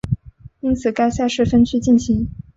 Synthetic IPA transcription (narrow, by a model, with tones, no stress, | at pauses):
i˥nt͡sʰɹ̩˨˩ka˥ɪɕa˥˧ɪʂɻ̩˥˩fə˥nt͡ɕʰy˥t͡ɕi˥˩nɕi˧˥˦ŋ